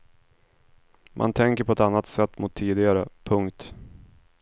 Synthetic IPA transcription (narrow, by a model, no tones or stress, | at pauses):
mʔa̰nt̪ʰɛŋkəɾpʰɔɛt̪anːat̪sɛt̪ːmʊt̪ʰːiːd̪ɪɡaɾəpʰɵŋkt̪